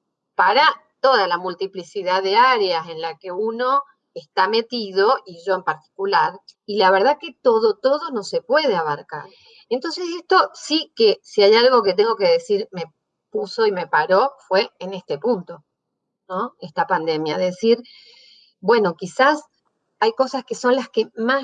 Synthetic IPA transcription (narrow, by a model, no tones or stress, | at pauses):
paɾa | t̪o̞ðalamult̪iplisiðaððe̞aɾease̞nlake̞uno̞ | est̪ame̞t̪iðo̞ʔiʒo̞e̞mpaɾt̪i̥kulaɾilaβeɾð̞ake̞t̪o̞ðot̪o̞ðo̞no̞se̞pwe̞ð̞eaβaɾka̰ɾ | ent̪o̞ns̬esest̪o̞sikesiajalɣo̞ket̪̬e̞ŋɡo̞ke̞ðe̞siɾme̞ | puso̞ime̞paɾo̞fwe̞ene̞st̪e̞punt̪o̞ | noest̪apand̪e̞mjaðe̞siɾ | bwe̞no̞kisas | ajko̞saskeso̞nlaskemas